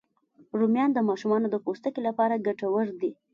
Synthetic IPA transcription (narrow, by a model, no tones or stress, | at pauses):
ɾumjɑnd̪əmɑʃumɑnod̪əpost̪əkelapɑɾaɡaʈawəɾd̪i